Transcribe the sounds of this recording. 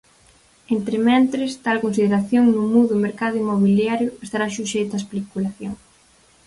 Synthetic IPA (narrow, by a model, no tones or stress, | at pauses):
ent̪ɾɪmɛnt̪ɾɪst̪alkons̬iðeɾaθjoŋnumuðʊmeɾkaðʊimoβiljaɾjʊest̪aɾaʃuʃejt̪ʊaespikulaθjoŋs